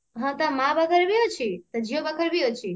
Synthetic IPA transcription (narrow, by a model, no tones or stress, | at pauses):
ɦãt̪ãmãbakʰəɾbiot͡ʃʰit̪əd͡ʒʱijobakʰəɾbiot͡ʃʰi